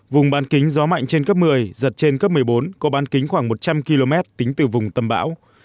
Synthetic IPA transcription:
vʊ˨˩ŋ͡mɓaː˨˦nkï˨˦ŋ̟zɔ˨˦ma̰˧˨jŋ̟t͡ɕe˧nkə˦˥p̚mɨ˨˩əjzə˨˩t̚t͡ɕe˧nkə˦˥p̚mɨ˨˩əjɓo˨˦nkɔ˨˦ɓaː˨˦nkï˨˦ŋ̟xwaː˧˩ŋmo˨˩t̚t͡ɕa˧mki˧lo˧mɛ˦˥t̚t̪ï˨˦ŋ̟t̪ɨ˨˩vʊ˨˩ŋ͡mt̪ə˧mɓa̰ː˧˥w

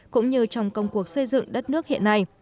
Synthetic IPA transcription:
kʊ̰˧˥ŋ͡mɲɨ˧t͡ɕɔ˧wŋ͡mkə˧wŋ͡mku˨˩ək̚sə˧jzɨ̰˧˨ŋɗə˦˥t̚nɨ˦˥ək̚hḭ˧˨ənːa˧j

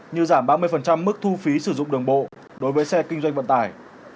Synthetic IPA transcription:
ɲɨ˧zaː˧˩mɓaː˧mɨ˧əjfə˨˩nt͡ɕa˧mːɨ˦˥k̚t̪ʰu˧fi˨˦sɨ˧˩zʊ̰˧˨ŋ͡mɗɨ˨˩əŋɓo̰˧˨ | ɗo˨˦jvəː˨˦jsɛ˧kï˧ŋ̟zwa˧ŋ̟və̰˧˨nt̪aː˧˩j

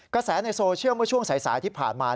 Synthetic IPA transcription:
kɾa˧sɛː˩˦na˧jsoː˧t͡ɕʰɯ˥˩əwmɯ˥˩ɐt͡ɕʰu˥˩əŋsa˩˦jsa̰ː˩˦jt̪ʰiː˥˩pʰa̰ː˨˩nmaː˧

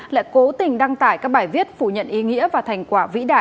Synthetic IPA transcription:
la̰ː˧˨jko˨˦t̪ï˨˩ŋ̟ɗa˧ŋt̪aː˧˩jkaː˦˥k̚ɓaː˧˩jvi˦˥ət̚fu˧˩ɲə̰˧˨nʔi˨˦ŋḭ˧˥əvaː˨˩t̪ʰa˨˩jŋ̟kwaː˧˩vḭ˧˥ɗaː˧˩

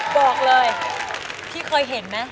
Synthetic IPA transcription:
bɔː˨˩k̚lɤː˧j | t̪ʰiː˥˩kʰɤː˧jɦe˩˦nma˦˥

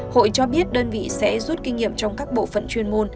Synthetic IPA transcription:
ho̰˧˨jt͡ɕɔ˧ɓi˦˥ət̚ɗəː˧nvḭ˧˨sɛ̰˧˥zu˦˥t̚ki˧ŋŋḭ˧˨əmt͡ɕɔ˧wŋ͡mkaː˦˥k̚ɓo̰˧˨fə̰˧˨nt͡ɕwi˧ənmo˧n

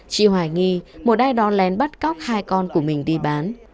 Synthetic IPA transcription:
t͡ɕḭ˧˨əhwaː˨˩jŋi˧mo˨˩t̚ʔaː˧jɗɔ˨˦lɛ˨˦nɓə˦˥t̚kɔ˦˥wk͡p̚haː˧jkɔ˧nku˧˩əmï˨˩ŋ̟ɗi˧ɓaː˨˦n

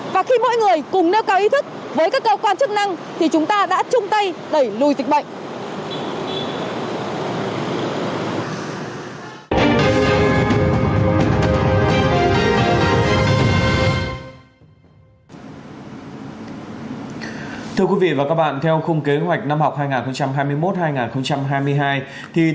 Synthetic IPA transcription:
vaː˨˩xi˧mɔ̰˧˥jŋɨ˨˩əjkʊ˨˩ŋ͡mne˧wkaː˨˧wʔi˨˦t̪ʰɨ˦˥k̚ | vəː˨˦jkaː˦˥kːəː˧wkwaː˧nt͡ɕk̚na˧ŋt̪ʰi˨˩t͡ɕʊ˨˦ŋ͡mt̪aː˧ɗa̰ː˧˥t͡ɕʊ˧ŋ͡mt̪ə˧jɗə˧˩jlu˨˩jzi̟˨˩ɓə̰˧˨ŋ̟ʔ | t̪ʰɨ˧əkwi˨˦vḭ˧˨vaː˨˩kaː˦˥k̚ɓa̰ː˧˨nt̪ʰɛ˧wxʊ˧wŋ͡mke˨˦ɦwa˨˩jk̟̚na˧mhwk͡p̚haː˧jŋaː˨˩nxə˧wŋ͡mt͡ɕa˧mɦaː˧jmɨ˧əjmo˦˥t̚haː˧jŋaː˨˩nxə˧wŋ͡mt͡ɕa˧mɦaː˧jmɨ˧əjɦaː˧j | t̪ʰi˨˩

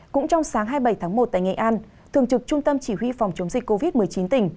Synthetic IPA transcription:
kʊ̰˧˥ŋ͡mt͡ɕɔ˧wŋ͡msaː˨˦ŋɦaː˧jɓə˧˩jt̪ʰaː˨˦ŋmo˨˩t̚t̪a̰ː˧˨jŋḭ˧˨ʔaː˧n | t̪ʰɨ˨˩əŋt͡ɕɨ˨˩k̚t͡ɕʊ˧ŋ͡mt̪ə˧mt͡ɕi˧˩hwi˧fɔ˨˩wŋ͡mt͡ɕə˨˦wŋ͡mzï˨˩k̟ko˧vi˦˥t̚mɨ˨˩əjt͡ɕi˨˦nt̪ï˧˩ŋ̟

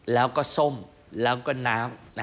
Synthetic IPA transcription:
laː˨˦wkɔ˦so˧m | la˨˦wkɔ˧˦naː˨˦wna˨

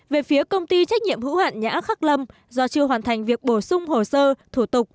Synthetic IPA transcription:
ve˨˩fi˨˦əkə˧wŋ͡mt̪i˧t͡ɕa˦˥k̟̚ɲḭ˧˨əmhɨ̰˧˥hwa̰ː˧˨nɲa̰ː˧˥xaː˦˥k̚lə˧m | zɔ˧t͡ɕɨ˧əɦwaː˨˩nt̪ʰa˨˩jŋ̟vi˨˩ək̚ɓo˧˩sʊ˧ŋ͡mho˨˩səː˧t̪ʰu˧˩t̪ʊ˨˩k͡p̚

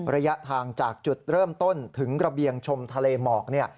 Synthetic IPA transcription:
ɾa˧ja˦˥ʔt̪ʰaː˧ŋt͡ɕaː˨˩k̚t͡ɕu˨˩t̪̚ɾɤː˥˩mt̪o˥˩nt̪ʰɯ˩˦ŋkɾa˧bi˧əŋt͡ɕʰo˧mt̪ʰa˧leː˧mɔː˨˩k̚ni˥˩ɐ

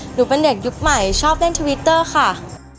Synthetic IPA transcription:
nuː˩˦pe˧nde˨˩k̚ju˦˥k̚ma˨˩jt͡ɕʰɔː˥˩p̚le˥˩nt̪ʰu˧wi˦˥t̪ːɤː˥˩xa˥˩

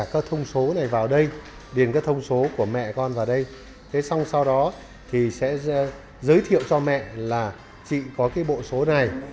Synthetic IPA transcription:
kaː˨˦˥k̚t̪ʰə˧wŋ͡mso˨˦na˨˩jvaː˨˩wɗə˧j | ɗi˨˩ənkaː˨˦jt̪ʰə˧wŋ͡mso˨˦ku˧˩əmɛ̰˧˨kɔ˧nvaː˨˩wɗə˧j | t̪ʰe˨˦sa˧wŋ͡msa˧wɗɔ˨˦ | t̪ʰi˨˩sɛ̰˧˥ | zəː˨˦jt̪ʰḭ˧˨əwt͡ɕɔ˧mɛ̰˧˨laː˨˩ | t͡ɕḭ˧˨kɔ˨˦kaː˨˦jɓo̰˧˨so˨˦na˨˩j

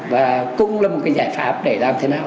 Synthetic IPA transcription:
vaː˨˩kʊ̰˧˥ŋ͡mlaː˨˩mo˨˩t̚kaː˨˦jzaː˧˩jfa̰ː˦˥p̚ɗe˧˩laː˨˩mt̪ʰe˨˦naː˨˩w

